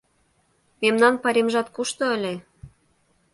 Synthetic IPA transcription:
memnɑnpɑɾʲemʒɑt̪kuʃt̪ŏəlʲe

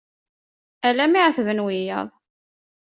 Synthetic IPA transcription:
ælæmiʕθvənwijɑ̰ðˤ

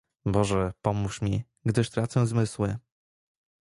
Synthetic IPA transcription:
bɔʐɛpɔmuʂmʲi | ɡd̪ɘʂt̪ɾat̪sɛzmɘswɘ

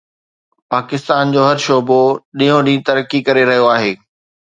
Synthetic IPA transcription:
paːkɪst̪aːnd͡ʑoːɦɐɾʃoːboɗĩːjõɗĩːt̪ɐɾəkikɐɾeɾɐɦijoaːɦeː

